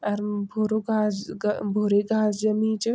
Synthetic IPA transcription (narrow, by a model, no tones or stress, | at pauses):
aɾbʱoɾoɡʱasɡbʱoɾeɡʱaːsd͡ʒɐmĩːt͡ɕə